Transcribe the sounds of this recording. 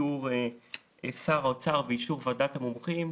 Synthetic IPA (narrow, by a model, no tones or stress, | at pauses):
uʁ | esaʁot͡saʁveiʃuʁvadat̪amomχim